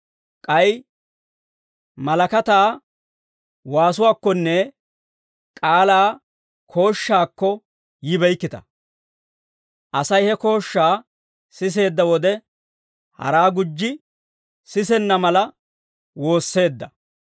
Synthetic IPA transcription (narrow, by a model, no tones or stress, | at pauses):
kʼɐj | mɐlɐkɐt̪aː | waːsʊwaːkːɔnːɛ | kʼaːlaː | kʰo̞ːʃːaːkːɔ | jɪbɛjkːɪt̪ɐ̥ | ʔɐsɐjhɛko̞ːʃːaː | sɪs̬e̞ːd̪ːɐwɔd̪ɛ | hɐ̰ɾaːɡʊd͡ʒːɪ | sɪsɛnːɐmɐlɐ | wo̞ːsːe̞ːd̪ːɐ